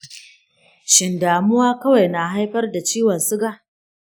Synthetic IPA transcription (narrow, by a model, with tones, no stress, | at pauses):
ʃɪ˨ndaː˨mʊ˦waː˦kɐ˦wa˨jna˨ɦa˦jɸɐ˦rda˨t͡ʃiː˦wɐ˨nsʊ˦ɡaː˨ʔ